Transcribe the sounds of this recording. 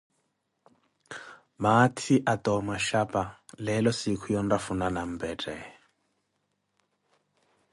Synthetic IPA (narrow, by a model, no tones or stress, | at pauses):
matʰiʔatʼɔmaʃapʼalɛlɔsikʰujɔn̩dafunanam̩bɛtʼɛ̰